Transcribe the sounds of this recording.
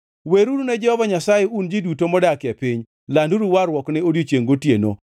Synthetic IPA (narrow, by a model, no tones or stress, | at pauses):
weɾuɾunɛd͡ʒɛhɔvaɲasajeund͡ʒidutomɔdakɪɛpɪɲ | landuɾuwaɾwɔknɛodjot͡ʃjeŋɡotjeno̰